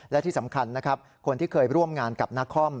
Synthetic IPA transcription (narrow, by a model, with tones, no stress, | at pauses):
lɛ˦˥t̪ʰiː˥˩sa˩˦mkʰa˧nːa˦˥kʰa˦˥p̚ | kʰo˧nt̪ʰiː˥˩kʰɤː˧jɾu˥˩əmŋaː˧nka˨˩p̚na˦˥kʰːɔ˥˩m